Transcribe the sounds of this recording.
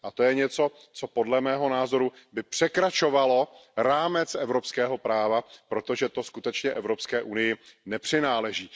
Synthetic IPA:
ʔat̪o̞jɛɲɛt͡so̞ | t͡so̞po̞dlɛmɛːɦo̞naːzo̞ɾu | bɪpr̥ɛkɾat͡ʃo̞valo̞ɾaːmɛt͡sʔɛvɾo̞pskɛːɦo̞pɾaːvapɾo̞t̪o̞ʒɛt̪o̞skut̪ɛt͡ʃɲɛʔɛvɾo̞pskɛːʔunɪjɪnɛpr̥ɪnaːlɛʒiː

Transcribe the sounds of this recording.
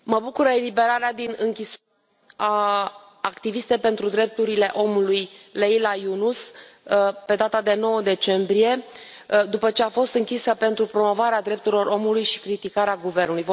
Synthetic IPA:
məbukuɾəelibe̞ɾaɾead̪inɨŋkʲis | aː | kt̪ivist̪e̞jpe̞nt̪ɾud̪ɾe̞p̚t̪uɾile̞ʔo̞mulujlejlajunus | pe̞d̪at̪ad̪e̞no̞wəd̪e̞t͡ʃe̞mbɾije̞ | d̪upət͡ʃe̞afo̞st̪ɨŋkʲisəpe̞nt̪ɾupɾo̞mo̞vaɾead̪ɾe̞p̚t̪uɾilo̞ɾʔo̞mulujʃi̥kɾit̪ikaɾeaɡuve̞rnulujv

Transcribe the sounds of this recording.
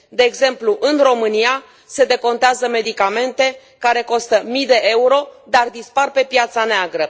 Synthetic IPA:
d̪e̞ːɡze̞mpluʔɨnro̞mɨnija | se̞d̪e̞ko̞nt̪eazəme̞d̪ikame̞nt̪e̞ | kaɾe̞ko̞st̪əmijd̪e̞ʔe̞uɾo̞d̪ard̪isparpe̞pjat̪saneaɡɾə

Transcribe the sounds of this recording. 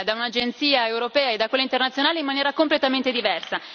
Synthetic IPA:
d̪aunad͡ʒent̪siːaewɾopɛːaed̪akwelaint̪ernat̪sjonaːleimːanjɛːɾakomplet̪ament̪ed̪ivɛrsa

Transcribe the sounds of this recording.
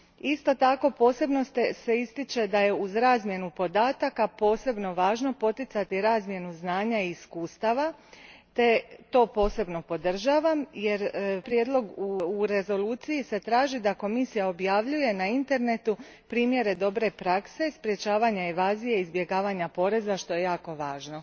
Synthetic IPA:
ist̪o̞t̪ako̞po̞ːse̞bno̞st̪ese̞ist̪it͡ʃe̞d̪aje̞uzɾaːzmje̞nupo̞d̪aːt̪akapo̞ːse̞bno̞ʋaːʒno̞po̞t̪it̪sat̪iɾaːzmje̞nuznaːɲaiːskuːst̪aʋa | t̪e̞t̪o̞ːpo̞ːse̞bno̞po̞d̪r̩ʒaːʋamje̞ɾpɾjed̪lˠo̞ɡuuɾe̞zo̞luːt̪sijise̞t̪ɾaːʒid̪ako̞misijao̞bjaʋʎuje̞naint̪e̞ɾne̞t̪u | pɾiːmje̞ɾe̞d̪o̞bɾe̞pɾakse̞spɾje̞t͡ʃaːʋaɲaeʋaːzijeizbje̞ɡaːʋaɲapo̞ɾe̞zaʃt̪o̞je̞jaːko̞ʋaːʒno̞

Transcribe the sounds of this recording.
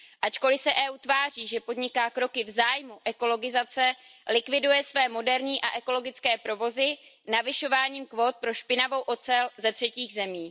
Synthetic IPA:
ʔat͡ʃko̞lɪsɛʔɛːuːt̪vaːr̝iːʒɛpo̞dɲɪkaːkɾo̞kɪvzaːjmuʔɛko̞lo̞ɡɪzat͡sɛlɪkvɪdujɛsvɛːmo̞dɛɾɲiːʔa̰ʔɛko̞lo̞ɡɪt͡skɛːpɾo̞vo̞zɪnavɪʃo̞vaːɲiːmkvo̞ːt̪̚pɾo̞ʃpɪnavo̞wʔo̞t͡sɛlzɛt̪r̥ɛciːɣzɛmiː

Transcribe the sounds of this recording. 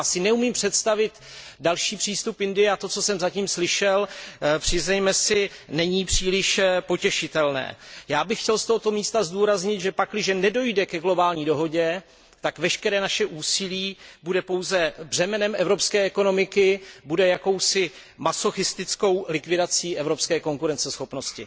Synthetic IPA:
sɪnɛumiːmpr̥ɛt̪st̪avɪt̪dalʃiːpr̥iːst̪upɪndɪjɛat̪o̞t͡so̞sɛmzaciːmslɪʃɛlpr̥ɪznɛjmɛsɪnɛɲiːpr̝̥iːlɪʃpo̞cɛʃɪt̪ɛlnɛ̰ːjaːbɪxcɛlst̪oɦot̪o̞miːst̪azduːɾazɲɪt̪ʒɛpaklɪʒɛnɛdo̞jdɛkɛɡlo̞baːlɲiːdo̞ɦo̞ɟɛ | t̪akvɛʃkɛɾɛːnaʃɛʔuːsɪliːbudɛpo̞wzɛbr̝ɛmɛnɛmʔɛvɾopskɛːɛko̞no̞mɪkɪbudɛjako̞wsɪ | maso̞xɪst̪ɪt͡sko̞wlɪkvɪdat͡siːʔɛvɾo̞pskɛːko̞ŋkuɾɛnt͡sɛsxo̞pno̞scɪ̰

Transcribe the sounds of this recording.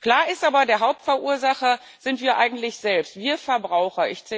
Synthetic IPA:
kl̥aːɐɪstʔaːbɐdeːɐɦaʊp̚tfɛɐʔuːɐzaχɐ | z̥ɪntv̥iːɐʔaɪɡŋ̩tlɪçz̥ɛlpstv̥iːɐfɛɐbʁaʊxɐʔɪçt͡sɛ

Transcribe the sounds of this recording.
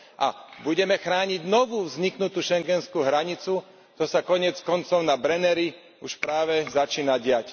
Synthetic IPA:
ʔa̰buɟɛmɛxɾaːɲiɟnɔʋuːvzɲiknut̪uːʃɛŋɡɛnskuːɦɾaɲit͡su | t̪ɔsakɔɲɪɛt͡skɔnt͡sɔʊnabɾɛnɛɾi | uʃpɾaːʋɛzat͡ʃiːnaɟɪac

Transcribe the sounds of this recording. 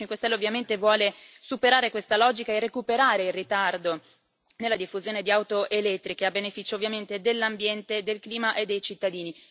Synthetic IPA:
iŋkwest̪ɛlːeovːjament̪evwɔːlesupeɾaːɾekwest̪alɔːd͡ʒikaerːekupeɾaːɾeilrit̪ard̪o | nelːad̪ifːuzjoːned̪iawt̪oʔelɛt̪ːɾikeabːenefit͡ʃoːvːjament̪ed̪elːambjɛnt̪ed̪elkliːmaʔed̪ːejt͡ʃit̪ːad̪iːni

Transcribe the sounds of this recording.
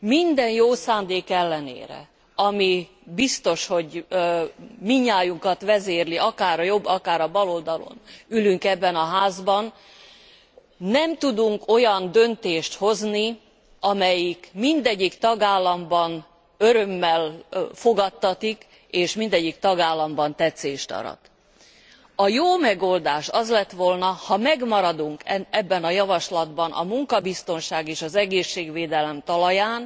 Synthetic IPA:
mind̪ɛnjoːsaːnd̪eːkɛlːɛnḛːɾɛ̰ | ɒmi | bist̪o̞ʃho̞ɟ | miɲːaːjuŋkɒt̪ʋɛzeːrliʔɒkaːɾɒjo̞bːɒkaːɾɒbɒlo̞ld̪ɒlo̰nylyŋkɛbːɛnɒɦaːzbɒn | nɛmt̪ud̪uŋko̞jɒnd̪ø̞nt̪eːʃt̪ho̞zni | ɒmɛjikmind̪ɛɟːikt̪ɒɡaːlːɒmbɒn | øɾø̞mːɛlfo̞ɡɒt̪ːɒt̪ik | eːʃmind̪ɛɟːikt̪ɒɡaːlːɒmbɒnt̪ɛt̪seːʃt̪ɒ̰ɾɒ̰t̪ | ɒjoːmɛɡo̞ld̪aːʃɒzlɛt̪ʋo̞lnɒhɒmɛɡmɒɾɒd̪uŋkɛɛbːɛnɒjɒvɒʃlɒd̪bɒnʔɒ̰muŋkɒbist̪o̞nʃaːɡeːʃɒzɛɡeːʃːeːɡʋeːd̪ɛlɛmt̪ɒlɒjaːn

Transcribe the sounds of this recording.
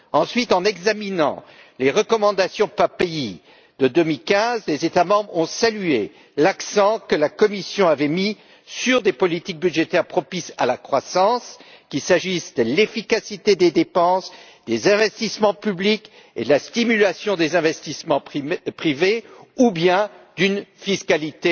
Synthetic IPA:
ɑ̃sɥit̪ɑ̃nɛɡzaminɑ̰̃ | leʁəkɔmɑ̃d̪asjɔ̃paʁpei | d̪̥əd̪ømilkʲɛ̃zlezet̪amɑ̃bʁɔ̃salye | laksɑ̃kəlakɔmisjɔ̃avɛmi | syʁd̪epɔlit̪ik̚byd̪ʒet̪ɛʁpχɔpisa̰lakχwasɑ̃skʲisaʒisd̪əlefikasit̪ed̪ed̪epɑ̃s | d̪̥ezɛ̃vɛst̪ismɑ̃pyblik | ḛd̪əlast̪imylasjɔ̃d̪ezɛ̃vɛst̪ismɑ̃pχiveubjɛ̃d̪ynfiskalit̪e

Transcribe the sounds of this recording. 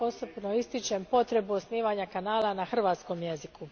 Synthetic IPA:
o̞sobnoist̪it͡ʃempo̞t̪ɾe̞buosniːʋaɲakanaːlˠanaxr̩ʋaːt̪sko̞mje̞ziku

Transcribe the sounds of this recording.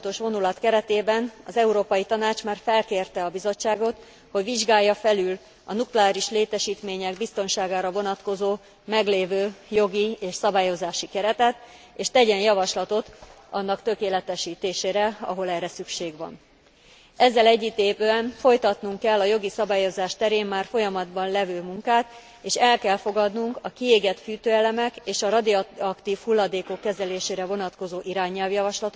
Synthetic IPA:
t̪o̞ʃʋo̞nulɒt̪kɛɾɛt̪eːbɛnɒzɛuɾoːpɒjit̪ɒnaːt͡ʃmaːrfɛlkeːrt̪ɛɒbizo̞t͡ʃːaːɡo̞t̪ | ho̞ɟʋiʒɡaːjːɒfɛlyl | ɒ̰nuklɛaːɾiʃleːt̪ɛʃiːt̪meːɲɛɡbist̪o̞nʃaːɡaːɾɒvo̞nɒt̪ko̞zoː | mɛɡleːvøːjo̞ɡieːʃsɒbaːjo̞zaːʃikɛɾɛt̪ɛt̪ | eːʃt̪ɛɟɛnjɒvɒʃlɒt̪o̞t̪ɒnːɒkt̪ø̞keːlɛt̪ɛʃiːt̪eːʃeːɾɛɒ̰ɦo̞lɛrːɛsykʃeːɡʋɒ̰n | ɛzːɛlɛɟːit̪eːpøɛnfo̞jt̪ɒt̪nuŋkːɛlːɒjo̞ɡisɒbaːjo̞zaːʃt̪ɛɾeːmmaːrfo̞jɒmɒd̪bɒnlɛvøːmuŋkaːt̪ | eːʃɛlkɛlfo̞ɡɒd̪nuŋkɒkieːɡɛt̪fyːt̪øːɛlɛmɛkeːʃɒɾɒd̪iɒkt̪iːfhulːɒd̪eːko̞kːɛzɛleːʃeːɾɛvo̞nɒt̪ko̞zoːʔiɾaːɲːɛlvjɒvɒʃlɒt̪o

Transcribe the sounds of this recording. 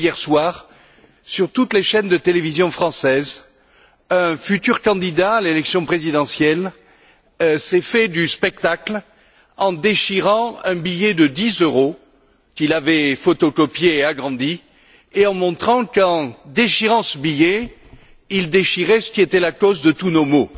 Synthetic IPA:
jɛʁswaʁ | syʁt̪ut̪leʃɛnd̪ət̪elevizjɔ̃fχɑ̃sɛz | ɛ̃fyt̪yʁkɑ̃d̪id̪aːlelɛksjɔ̃pχezid̪ɑ̃sjɛl | sɛfɛd̪yspɛk̚t̪akl | ɑ̃d̪eʃiʁɑ̃ɛ̃bijɛd̪əd̪izøʁo | kilavɛfot̪ɔkɔpjeːaɡʁɑ̃d̪i | eɑ̃mɔ̃t̪χɑ̃kɑ̃d̪eʃiʁɑ̃səbijɛ | ild̪eʃiʁɛsə̥kʲiet̪ɛlakozd̪ət̪unomo

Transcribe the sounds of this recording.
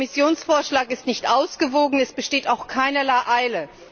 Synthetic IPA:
mɪsjoːnsfoːɐʃlaːkɪstnɪçtʔaʊsɡ̥əvoːɡŋ̩ɛsb̥əʃteːtaʊxkʰaɪnəlaɪʔaɪlə

